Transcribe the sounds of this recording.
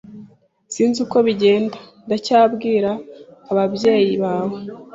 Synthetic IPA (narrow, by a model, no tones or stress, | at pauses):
siːnzuko̞βiɟe̞ːndḁ | ndacaːbɡiːɾaːβabje̞ːjiβaːwe